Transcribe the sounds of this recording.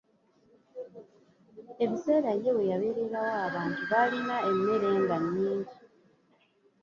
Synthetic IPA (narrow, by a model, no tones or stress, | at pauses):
e̞βise̞ːɾaje̞we̞jaβe̞ɾeɾawaːβaːntuβalinae̞mːe̞ɾe̞ːŋɡanːiːɲɟi